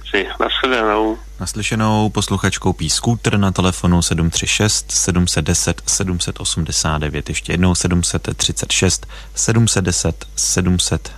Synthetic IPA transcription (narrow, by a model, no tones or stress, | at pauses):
sɪna̰sxɛdɛnow | naslɪʃɛno̞wpo̞sluxat͡ʃkowpiːskuːt̪r̩nat̪ɛlɛfo̞nusɛdumt̪r̝̥ɪʃɛst̪sɛdumsɛd̪̚dɛsɛt̪sɛdumsɛt̪ʔo̞sumdɛsaːd̪dɛvjɛt̪jɛʃcɛjɛdno̞wsɛdumsɛt̪ːr̝̥ɪt͡sɛt̪ʃɛst̪ | sɛdumsɛd̪̚dɛsɛt̪sɛdumsɛt̪